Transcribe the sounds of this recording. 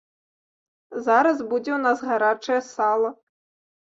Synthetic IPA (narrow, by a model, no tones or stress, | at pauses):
zaɾɐzbud͡zʲɛwnazɣaɾat͡ʂɐjɐsalˠɐ